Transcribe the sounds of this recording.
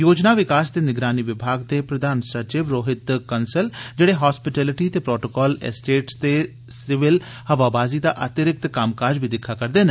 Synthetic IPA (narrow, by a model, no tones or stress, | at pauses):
joːd͡ʒnaːʋɪkaːsd̪eːnɪɡɾaːniːʋɪbʱaːɡd̪eːpɾəd̪ʱaːnsəɾt͡ʃɪːʋɾoːɦɪt̪kənsəld͡ʒeːɽeːɦɔːspɪʈɛːlɪʈiːt̪eːpɾoːʈokɔːlɛ̰sʈeːʈst̪eː | sɪʋɪl | həʋaːbaːziːd̪aːʔət̪ɪɾɪk̚t̪kəmkaːɾd͡ʒbʱiːd̪ɪkʰːaːkəɾd̪eːne